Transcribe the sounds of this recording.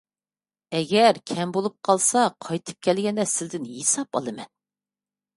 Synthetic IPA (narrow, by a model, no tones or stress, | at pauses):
ɛɡʲɛɾkʲʰɛmbolˠup̚qʰɑlˠsɑqʰɑjt̪ʰɨ̥p̚kʲʰɛlɡʲɛnd̪ɛsɪzd̪ɪnhesɑpɑ̰lˠɨmɛn